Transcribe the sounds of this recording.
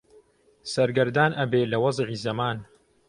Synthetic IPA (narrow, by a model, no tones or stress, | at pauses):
sɐɾɡɐɾd̪aːnʔɐbeːlɐwɑzˤʕiːzɐmaːn